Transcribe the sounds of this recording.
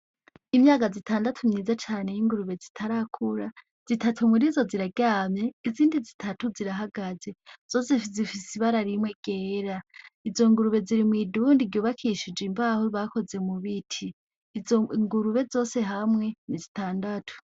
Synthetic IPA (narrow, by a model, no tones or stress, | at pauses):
imɲaːɡazitaːndatʰumɲiːzat͡ʃaːnejiŋɡuɾuβe̞zitʰaɾakʰuɾa | z̥itʰatʰumuɾizo̞ziɾaɡaːmɲe̞iziːndizitʰatuziɾaɦaɡaze̞z̥o̞zefizifisiβaɾaɾimwe̞ɡ̥eːɾaizo̞ŋɡuɾuβe̞ziɾimwiduːndiɡjuːβakʰiʃid͡ʒimbahuβako̞ze̞muβitʰi | ŋɡuɾuβe̞zo̞ːse̞ɦamŋe̞nizitaːndatʰu̥